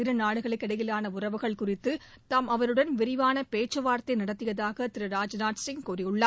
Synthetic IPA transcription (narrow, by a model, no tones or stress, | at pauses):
ɪɾɐnaːɽɯɣɐɭɐɪkːɪɽɐjɪlaːnɐʊrɐʋɯɣɐɭkʊrɪt̪ːɯ | t̪ɐmʔɐʋɐɾɯɽɐnʋɪɾɪʋaːnɐpeːt͡ʃːɐʋaːɾt̪ɐɪnɐɽɐt̪ːɯjɐðaːɣɐt̪ɪɾɯɾaːd͡ʒnaːʈsɪŋkuːrɪjɯɭːɐ